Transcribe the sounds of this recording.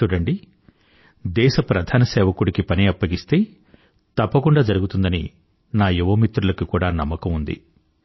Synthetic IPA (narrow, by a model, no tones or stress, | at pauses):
uɽɐɳɖi | d̪ɛːʃɐpɾɐd̪ʱaːnɐsɛːʋɐkuɽikipɐniɐpːɐɡist̪e̞ː | t̪ɐpːɐkuɳɖaːd͡ʒɐɾuɡut̪und̪ɐnḭ | naːjiʋɐːmit̪ɾulɐkikuːɽaːnɐmːɐkɐmund̪ḭ